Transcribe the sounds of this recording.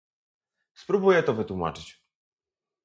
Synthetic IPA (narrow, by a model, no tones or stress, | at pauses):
spɾubujɛt̪ɔvɘt̪wuma̰t͡ʂɘt͡ɕ